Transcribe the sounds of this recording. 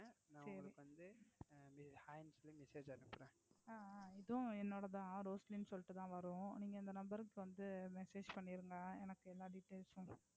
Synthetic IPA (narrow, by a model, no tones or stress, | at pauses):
nãːsɐŋɾɐɯikːɯʋɐnd̪ɯmɪhaːjnslimɪseːd͡ʒɐnɯpːɾẽːaːɪðʊ̃ɛnːoːɽɐðãːɾoːslinsɔlːɪʈːɯt̪ãːʋɐɾʊ̃niːŋɡɐɪnd̪ɐnɐmbɐɾɯkːɯʋɐnd̪ɯmɛseːd͡ʒpɐɳːɪɾɯŋɡɐɛnɐkːɯɛlːaːɖɪʈːeːlsʊ̃